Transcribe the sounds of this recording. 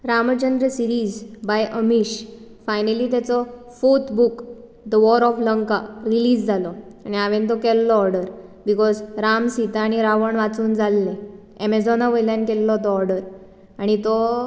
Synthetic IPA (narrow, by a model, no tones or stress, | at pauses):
ɾamət͡ɕənd̪ɾəsiɾiːd͡zbajʔəmiɕfajnəliːt̪̬jat͡sɔfot̪buk | d̪əʋɔɾɔfləŋkaɾiliːd͡zd͡zalɔañiaʋent̪̬ɔkɛlːɔːɾɖəɾbikɔzɾamsit̪aːɽ̃iɾaʋəɳʋat͡suːnd͡zʱalːẽ | ɛmed͡zɔnaʋəjljãnkɛlːɔt̪ɔːɾɖəɾ | aɽ̃it̪ɔ